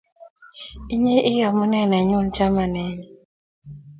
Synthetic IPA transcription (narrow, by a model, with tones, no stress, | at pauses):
i˦ɲe˦ʔɪ˦jɔ˨mu˦nɛ˦˨nɛ˨ɲu˦˨n˨t͡ʃa˦ma˨nɛ˨˦ɲɛ˨